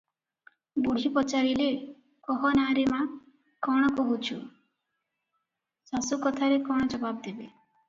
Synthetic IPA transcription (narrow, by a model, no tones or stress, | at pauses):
buɽ̤ipɔt͡ʃaɾile | kɔɦɔnaɾema | kɔɽ̃ɔkɔɦut͡ʃʰu | sasukɔt̪ʰaɾekɔɽ̃ɔd͡ʒɔbabd̪ebe